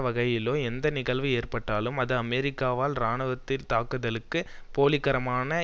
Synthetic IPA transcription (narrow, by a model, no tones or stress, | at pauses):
ʋɐɣɐjɪloːɛnd̪ɐnɪɣɐɭʋɯeːrpɐʈːaːlɯmɐðɯɐmɛːɾɪkːaːʋaːlnaːɳɯʋɐt̪ːɪlt̪aːkɯðɐlɯkːɯ | poːlɪkːɐɾɐmaːnɐ